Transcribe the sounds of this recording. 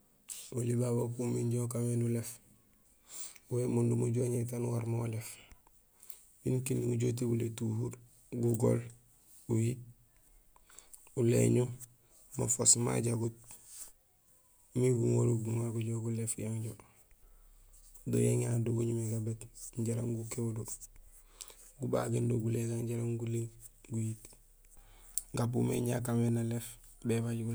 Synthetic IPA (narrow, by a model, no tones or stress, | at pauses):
olibabokumiɲɟoːkamedulef | wemundumuɟoːɲet̬anwaɾmoolef | binkinːiɡuɟot̬ebuletuhuɾ | ɡuɡo̰l | uji | ulḛɲu | mafosma̰ɟaɡut̚ | miɡuŋoɾuɡuŋaɡuɟoɡulefjaŋɟo | do̰jeŋaduɡuɲumeɡabetɲɟaɾa̰ŋɡukeudo | ɡuba̰ɡendoɡuleɡaŋɟaɾaŋɡuleŋ | ɡujit | ɡap̬ṵmḛɲa̰kamenalefbebaɟɡu